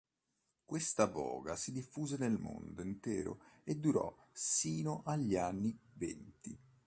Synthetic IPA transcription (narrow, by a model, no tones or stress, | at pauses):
kwest̪avɔ̰ːɡasid̪ifːuːzenelmo̰nd̪oint̪ɛ̰ːɾo̰ed̪ːuɾɔ̰siːnoʔaʎːianːivɛ̰nt̪i